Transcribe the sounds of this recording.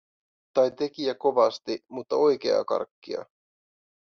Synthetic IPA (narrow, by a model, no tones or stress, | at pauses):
t̪ɑjt̪e̞kiæko̞ʋɑst̪imut̪ːɑo̞jk̟e̞ɑ̰kɑ̰rkːiɑ̰